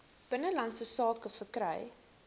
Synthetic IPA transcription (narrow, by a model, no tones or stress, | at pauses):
b̥ənəlɐntsəsɑːkəfərkrɛ̰j